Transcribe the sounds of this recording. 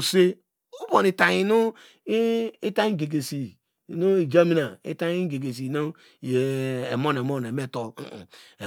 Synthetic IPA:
se˦ | u˦bo˨ni˨ta˨i˨nu˦ | i˦ta˦i˦ɡe˨ɡe˨si˨ | nu˦i˨d͡ʒa˦mi˦na˨ḭ˦ta˦i˦ɡe˨ɡe˨s̬i˨no˦˨ | e˨e˨mo˦n˨e˨mo˦n˨e˨me˦˨to̰˨e˨

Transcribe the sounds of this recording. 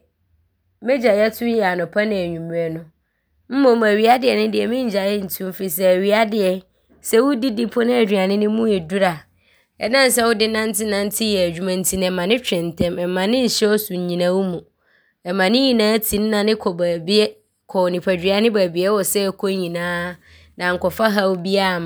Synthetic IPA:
mɛ̃˦d͡ʑa˨jɛ˦tʰʊ˦jɛ˨a˨nʊ̃˨pʰa˦nɪ̃˨æ˨ɲũ˨m˨ɛ˨nʊ̃˦ | m̩˦mʊ̃˨m˨æ˨ɥi˨a˦dɪ˨ɛ˨nʊ̃˦dɪ˨ɛ˨mɪ̃˦ɲ̩˨d͡ʑa˨jɛ˦n̩˨tʰũ˦m˦fi˨s̬ɛ˦æ˨ɥi˨˦a˦dɪ˨ɛ˨ | sɛ˦wʊ˦di˦di˦pʰʊ˦nɪ̃˦æ˨d͡ʑᶣi˨a˨nɪ̃˦nɪ̃˦mũ˦ɛ˨du˦ɾa˨ | ɛ̰˨nã˦n˨sɛ˦wʊ˦dɪ˦nã˦n˦tʰɪ˦nã˦n˦tʰɪ˦jɛ˨æ˨d͡ʑᶣu˨mã˨n̩˨tʰi˨ñ˨ɛ˨mã˨nɪ̃˦t͡ɕᶣɪ̃˨n˨tʰɛ̃˦mɛ˨mã˨nɪ̃˦ɲ̩˨ɕɛ˦ɔ˦su˨ɲ̩˨ɲĩ˨nã˦wʊ˦mũ˨ | ɛ˨mã˨nɪ̃˦ɲĩ˨nãː˨˦tʰĩ˨n˦nã˨nɪ̃˦kʰɔ˨bæ˨bɛ˦ | kʰɔ˨wnĩ˨pʰæ˨d͡ʑᶣɪ˨˦a˨˦nɪ̃˦bæː˨bi˨ɛ˦wɔ˨sɛ˦˨kʰo˦ɲĩ˨nãː˦ | nã˨ŋ̩˨kɔ˨fa˦ɦa˦wʊ˦bi˦a˦˨m˨

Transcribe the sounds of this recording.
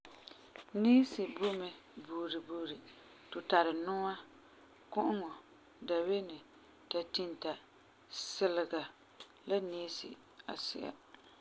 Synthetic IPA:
niː˦sɪ˨bʊ˦mɛ˨ | buː˨ɾi˨buː˨ɾi˨ | tʊ˨ta˨ɾɪ˨nʊ˦ŋa˦ | kʊ˦ʔʊ˦ŋɔ˨ | da˨we˦nɪ˨ | ta˨tɪ˦nta˨ | sɪ˦lɪ˨ɡa˨ | la˦niː˦sɪ̰˨ | a̰˨sɪ̰˦˨a̰˨

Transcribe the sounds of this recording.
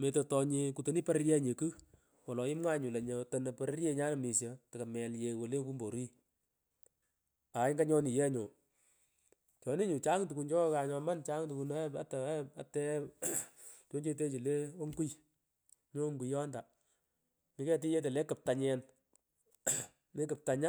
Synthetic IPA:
me˨to˨tɔ˧ɲi˧ku˨to˨ni˦pa˦ɾɾjɛ˦ɲe˨kɨ˦ | wɔ˨lɔ˨ɪ˦mŋwa˦ɲu˨le˨ɲo˨to˨ne˨pɛ˨ɾe˦ɾje˦ɲaː˦na˨mi˨sjə˨tɐ˨ka˨mɛ˨lje˨wo˨le˦ku˦mbo˨ɾi˦ | a˨˦ŋɡa˦ɲɔ˦ni˨jɛ˦ɲo˨ | t͡ʃɔ˨ni˦ɲu˨t͡ʃa˦ŋtu˨ku˨nt͡ʃɔ˦ka˨ɲɔ˨ma˦nt͡ʃa˦ŋtu˨ku˨na˦a˦ta˨˦a˨tɛ˦ | t͡ʃo˦ɲt͡ʃe˧t̬e˦t͡ʃi˨le˦o˦ŋɡu˦j | ɲo˦ŋɡu˨jɔ˦nda˨ | mi˨˦kɛ˦t̬i˦ɲe˦t̬e˨le˦kɨ˨p̚ta˨ɲɛ˨n | ne˦kɨ˨p̚ta˨ɲa˦

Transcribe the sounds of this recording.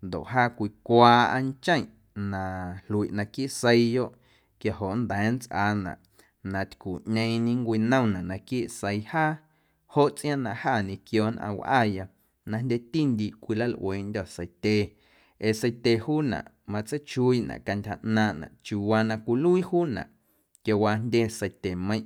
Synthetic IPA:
nd̪o̰˨ʔɦaː˦kʷi˧kʷaː˧a̰˧n˦t͡ʃə̃˦j̃ʔ | nã˧lu˧i˨ʔnã˧ki˦ʔse˧jjo˦ʔ | kja˨ɦo˨ʔnd̪ɛː˨˦n˦t͡sʔaː˧nã̰˨ʔ | nã˧t̪ʲku˨ʔɲẽ˧ĩɲĩ˧ŋkʷiː˧nə̃˦˨nã˨ʔnã˧ki˦ʔse˧jhaː˦ | ho˦ʔt͡sʼʔj̃ã˦nã˧˨haː˦˨ɲẽ˧kjoː˧˨nʔã̰˧wʔa̰ː˦˨ja˧ | nã˧ndʲe˦t̪i˦nd̪ʲi˧˨ʔkʷi˧la˦lʔw̰eː˨ʔndʲɔ˨sə˧jt̪ʲe˧ | e˨sə˧jt̪ʲe˧˨huː˦nã̰˨ʔ | mã˧t͡sə˦t͡ʃu˧i˦ʔnã̰˨ʔka˧ndʲha˧ʔnãː˧ʔnã̰˨ʔt͡ʃu˨wa˧nã˧kʷi˧lu˦i˦huː˦nã̰˨ʔ | kja˧waː˧ndʲe˦sə˧jt̪e˨mə̃˧j̃ʔ

